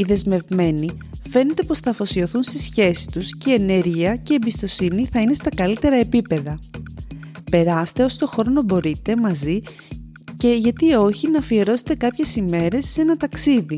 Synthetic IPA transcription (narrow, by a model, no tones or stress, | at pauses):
iðe̞zme̞vme̞ni | fe̞ne̞t̪e̞po̞sθɐfo̞sio̞θunst̪isçe̞si̥t̪usceːne̞ɾʝiɐce̞ːmbist̪o̞siniθɐine̞st̪ɐkɐlit̪e̞ɾɐe̞pipe̞ðɐ | pe̞ɾɐst̪e̞o̞sot̪o̞xo̞ɾo̞no̞bo̞ɾit̪e̞mɐzi | ce̞ʝɐt̪io̞çinɐfie̞ɾo̞se̞̥t̪e̞kɐpçe̞sime̞ɾe̞se̞nɐt̪ɐksiði